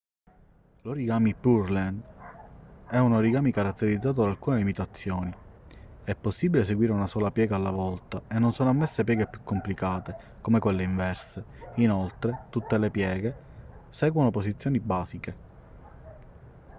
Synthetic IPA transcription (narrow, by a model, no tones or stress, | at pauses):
loɾiɡaːmipurlɛnd̪ | ɛunoɾiɡaːmikaɾat̪ːeɾid̪zːaːt̪od̪alkuːnelimit̪at̪sːjoːni | ɛpːosːibiles̬eɡwiːɾeunasɔːlapjɛːɡaːlːavɔlt̪aenːonsoːnoamːesːep̬jɛːɡepjukːomplikaːt̪e | komekwelːeiɱvɛrse | inolt̪ɾet̪ut̪ːelepjɛːɡe | sɛːɡwonoposit̪sjoːnibaːzike